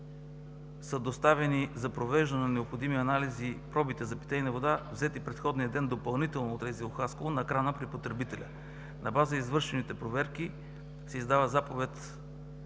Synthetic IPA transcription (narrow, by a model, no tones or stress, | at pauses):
səd̪ost̪avɛnizɐpɾovɛʒd̪ɐnɛnnɛopxod̪imiɐnalizipɾɔbit̪ɛzɐpi̥t̪ɛinɐvod̪avzɛt̪ipɾɛt̪xɔd̪nijəd̪ɛnd̪opɐlˠnit̪ɛlˠnoːt̪ɾɛzilˠoxaskoonɐɛkɾanəpɾipot̪ɾɛbit̪ɛlʲɐ̰ | nɐbazəizvɤɾʃɛnit̪ɛpɾovɛɾk̟i | sɛizd̪avəzapovɛt̪